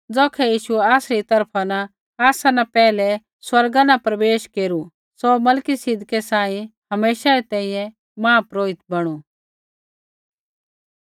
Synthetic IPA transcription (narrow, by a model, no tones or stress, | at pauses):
d͡zɔːkʰɛjiːʃuɛaːsɾit̪ɐɾpʰana | aːsanapɛːlɛ | swɐɾɡanapɾɐʋeːʃkeːɾu | somɐlkisɪd̪ʱkɛsãːĩhɐmeːʃaɾit̪ɛ̃ĩjɛ̃ | mãːpɾoːɪt̪̚bɐɽ̃u